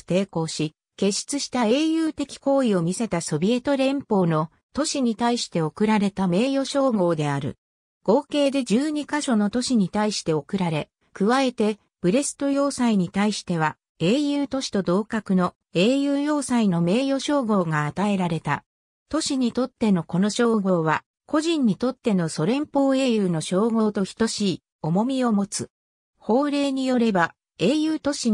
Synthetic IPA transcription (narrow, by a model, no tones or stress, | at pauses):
t̪e̞ːko̞ːɕi | ke̞ɕi̥t͡sɨɕi̥t̪ae̞ːjɯ̟ːt̪e̞kʲi̥ko̞ːio̞mʲise̞t̪aso̞bʲie̞t̪o̞ɾẽ̞mpo̞ːno̞ | t̪o̞ɕiɲ̟it̪aiɕi̥t̪e̞o̞kɯ̟ɾaɾe̞t̪ame̞ːjo̞ɕo̞ːɡo̞ːd̪e̞aɾɯ̟̰ | ɡ̥o̞ːke̞ːd̪e̞d͡ʑɨːɲ̟ikaɕo̞no̞t̪o̞ɕiɲ̟it̪aiɕi̥t̪e̞o̞kɯ̟ɾaɾe̞ | kɯ̟βae̞t̪e̞ | b̥ɯ̟ɾe̞sɨ̥t̪o̞jo̞ːsaiɲ̟it̪aiɕi̥t̪e̞β̞a | e̞ːjɯ̟ːt̪o̞ɕi̥t̪o̞d̪o̞ːkakɯ̟no̞ | e̞ːjɯ̟ːjo̞ːsaino̞me̞ːjo̞ɕo̞ːɡo̞ːɡaːt̪ae̞ɾaɾe̞t̪a̰ | t̪o̞ɕiɲ̟it̪o̞t̪ːe̞no̞ko̞no̞ɕo̞ːɡo̞ːβa | ko̞ʑĩɲ̟ːit̪o̞t̪ːe̞no̞so̞ɾẽ̞mpo̞ːe̞ːjɯːno̞ɕo̞ːɡo̞ːt̪o̞çi̥t̪o̞ɕi | o̞mo̞mʲio̞mo̞t͡sɨ | ho̞ːɾe̞ːɲ̟ijo̞ɾe̞ba | e̞ːjɯ̟ːt̪o̞ɕi